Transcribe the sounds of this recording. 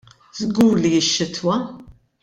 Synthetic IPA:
zɡuːɾlijɪʃːɪt̪ʰwɐ

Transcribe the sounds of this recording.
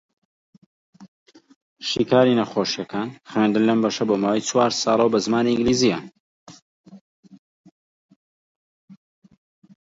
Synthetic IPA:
ʃiːkʰaːɾinɐxoːʃjɐkʰaːnχwɥend̪ɨnlɐmbɐʃɐboːmaːwɐjt͡sʰwaːɾsɑːlˠɐwbɐzmaːniɨ̃ŋɡliːziɐn

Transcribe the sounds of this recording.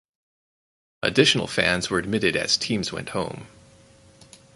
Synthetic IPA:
ʔɨ̰dɪʃn̩l̩ˠfæ̃nz̥wə˞ɨd̚mɪɾɨɾɨ̰z̥tʰĩmzwɛ̰̃nʔ̚hõʊ̃m

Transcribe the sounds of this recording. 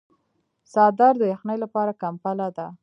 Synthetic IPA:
sɑd̪ɑɾd̪əjaxnəjlapɑɾakampalad̪a

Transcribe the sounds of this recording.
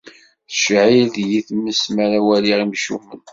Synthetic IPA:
θʃʕilðjiθmːəsmæɾæwæliʁimʃumːən

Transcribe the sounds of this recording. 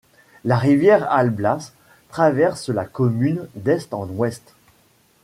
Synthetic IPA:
laʁivjɛʁalblas | t̪χavɛʁslakɔmynd̪ɛst̪ɑ̃nwɛst̪

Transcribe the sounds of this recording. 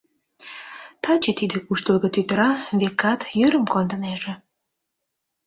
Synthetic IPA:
t̪ɑt͡ɕet̪id̪ekuʃt̪əlɣət̪yt̪əɾɑβekɑt̪jøɾəmkond̪ə̆neʒĕ

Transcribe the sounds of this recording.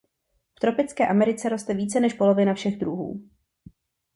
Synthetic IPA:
ft̪ɾo̞pɪt͡skɛːʔamɛɾɪt͡sɛɾo̞st̪ɛviːt͡sɛnɛʃpo̞lo̞vɪnafʃɛɣd̪ɾuɦṵː

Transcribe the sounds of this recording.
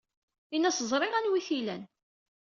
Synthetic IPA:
inæsəzˤɾˤɪʁænwiθilæn

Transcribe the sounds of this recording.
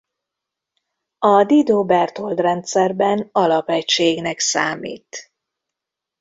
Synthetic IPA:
ɒd̪id̪oːbɛrt̪o̞ld̪rɛnt̪sɛrbɛnɒlɒpɛcʃeːɡnɛksaːmḭːt̪

